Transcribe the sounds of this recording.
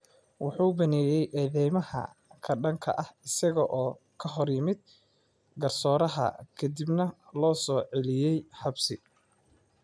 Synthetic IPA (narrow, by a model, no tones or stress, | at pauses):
wɑħuːbɐnɛːjɛjʔɛːðɛjmɐhɐ̰kʰɐɖɐŋkʰɐ̰ʔɐhɪsɐɣɔʔɔː | kʰɐɦɔrjɪmɪd̪̚ | ɡɐrsɔːɾɐɦɐ̰kʰɐd̪ɪbnɐlɔːsɔːʕɛlɪjɛjħɑbsɪ